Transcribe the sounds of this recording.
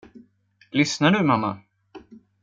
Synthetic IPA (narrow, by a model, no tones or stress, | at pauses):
lʏsnaɖɵmamːa̰